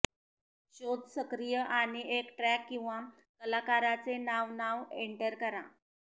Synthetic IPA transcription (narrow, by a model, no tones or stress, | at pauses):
ɕod̪ʱsəkɾijəʔaɽ̃iʔekʈɾɛkːĩw̃ʋa | kəlakaɾat͡senaʋnaʋeɳʈəɾkəɾã